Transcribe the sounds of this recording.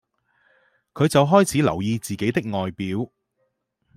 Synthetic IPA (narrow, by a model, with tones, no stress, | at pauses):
kʰɵ˨˧ɥt͡sɐ˨wɦɔː˥jt͡sʰiː˨˥lɐ̰˨˩wjiː˧t͡siː˨ke˨˥jt̪ɪ˥k̚ŋɔː˨jpiː˨˥w